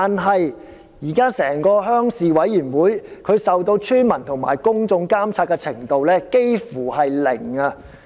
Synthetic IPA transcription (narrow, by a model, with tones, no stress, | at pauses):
t̪aː˨nɦɐ˨j | jiː˨˩kaː˥sɛː˨˩ŋkɔː˧ɦœː˥ŋsiː˨wɐ˨˥jyː˨˩nwuː˨˥jkʰɵ˨˧ɥsɐ˨wt̪o˧wt͡ʃʰyː˥nmɐ˨˩nt̪ʰʊ˨˩ŋma̰ː˨˩jkʊ˥ŋt͡sʊ˧ŋkaː˥mt͡sʰaː˧t̚kɛ˧t͡sʰɪ˨˩ŋt̪o˨wlɛː˥ke˥jfuː˨˩ɦɐ˨jlɪ̰˨˩ŋɐ˧